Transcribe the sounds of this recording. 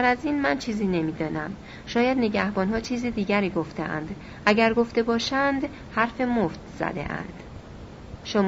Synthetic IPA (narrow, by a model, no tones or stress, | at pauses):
æɾæziːnmænt͡ʃʰiːziːne̞miːd̪ɒːnæm | ʃɒːjæd̪ne̞ɟæhbɒːnɦɒːt͡ʃʰiːziːd̪iːɟæɾiːɡo̞ft̪eʔæ̰nd̪ | ʔæɟæɾɡo̞ft̪e̞bɒːʃænd̪ | hæɾfe̞moft̪z̥æ̰d̪e̞̰ʔæ̰nd̪̥ | ʃom